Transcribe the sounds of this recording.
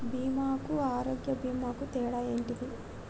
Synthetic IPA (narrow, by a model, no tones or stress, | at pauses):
biːmaːkuaːɾoːɡjɐbiːmaːkut̪ɛːɽaːjeːɳʈid̪i